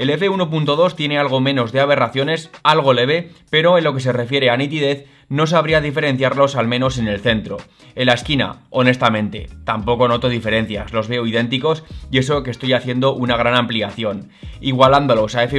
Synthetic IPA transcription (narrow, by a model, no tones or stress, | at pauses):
e̞le̞fe̞uno̞punt̪o̞ð̞o̞st̪je̞ne̞alɣ̞o̞mẽ̞no̞zðe̞aβ̞e̞raθjo̞ne̞salɣ̞o̞le̞β̞e̞pe̞ɾo̞e̞nlo̞ke̞s̬e̞re̞fje̞ɾeanit̪ið̞e̞θ | no̞s̬aβ̞ɾiað̞ife̞ɾẽ̞n̟θjaɾlo̞salmẽ̞no̞se̞ne̞lθe̞nt̪ɾo̞̰ | elaeskina̰o̞ne̞st̪amẽ̞nt̪e̞̰t̪ampo̞ko̞no̞t̪o̞ðife̞ɾe̞n̟θjazlo̞zβe̞oið̞e̞nt̪iko̞sie̞s̬o̞kest̪o̞jaθje̞nd̪o̞ʔunaɣ̞ɾanãmpliaθjo̞n | iɣwaland̪o̞lo̞sae̞fe